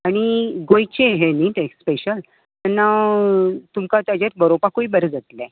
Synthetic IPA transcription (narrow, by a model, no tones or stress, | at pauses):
aɽ̃iɡojt͡ɕeɦenit̪espeɕəl | manːa | t̪umkat̪jad͡ʑat̪̚bəɾopakoibəɾəd͡zat̪lɛ